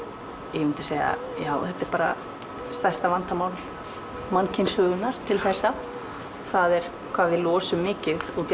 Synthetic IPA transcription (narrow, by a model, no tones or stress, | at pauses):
jmɪnt̪ɪ̥seːja̰ | jaːwθɛt̪ːɛɾpaːɾa̰ | st̪ḁst̪avant̪amaːwl | mancʰɪnshʏːɣʏnaɾ̥t̪ʰɪlθɛsːa | θaðɛɾ̥ | kʰvaːvɪlɔːsʏmːɪːcɪuːt̪